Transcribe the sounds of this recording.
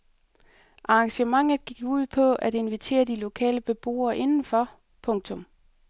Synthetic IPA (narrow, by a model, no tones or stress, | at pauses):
ʔɑ̈ɑŋɕəmɑ̈ŋ̰ð̩ˠɡ̥iɡ̥uð̞̰ˠpʰɒ̽ʔæd̥e̝nʋit͡sʰe̝̰ːɐd̥ilo̝kʰɛ̰ːləb̥e̝b̥o̝̰ːɐʔe̝nn̩fɒ | pʰɔ̽ŋt͡sʰɔ̽m